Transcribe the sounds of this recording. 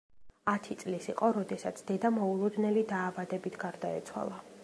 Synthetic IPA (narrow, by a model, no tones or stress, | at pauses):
at̪ʰit̪sʼlisiqʼɔɾɔd̪ɛsat̪sʰd̪ɛd̪amɔulˠɔd̪nɛlid̪aːvad̪ɛbit̪ʰɡaɾd̪aɛ̰t̪sʰwa̰lˠa